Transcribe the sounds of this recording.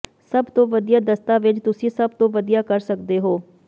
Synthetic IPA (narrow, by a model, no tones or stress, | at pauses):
səbt̪õːʋəd̪ijaːd̪əst̪ãːʋɪt͡ʃt̪ʊsĩːsəb̚t̪õːʋəd̪ijaːkəɾsəkd̪eːɦoː